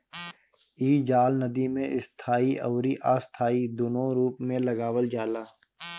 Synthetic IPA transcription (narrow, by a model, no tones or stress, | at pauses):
iːd͡ʒaːlnəd̪imẽʔɪst̪ʰaːiʔɔːɾiʔaːst̪ʰaːid̪oːnõɾuːpmẽlɐɡaːwəld͡ʒaːlaː